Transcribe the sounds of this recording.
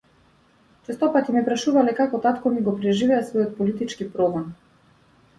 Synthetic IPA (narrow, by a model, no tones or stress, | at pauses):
t͡ʃɛst̪ɔpat̪imɛpɾaʃuvalɛkakɔt̪at̪kɔniɡɔpɾɛʒivɛasvɔjɔt̪̚pɔlit̪it͡ʃkipɾɔɡɔn